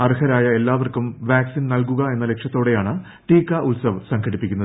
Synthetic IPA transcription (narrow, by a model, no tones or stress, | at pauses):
ɐrhɐɾaːjɐe̞lːaːʋɐrkumʋaːksinnɐlkuɣɐe̞nːɐle̞kʂjɐt̪ːo̞ːɽe̞jaːɳɨ | ʈiːkːɐʔulsɐʋsɐŋɡʱɐɽipːikʲːunːɐðɨ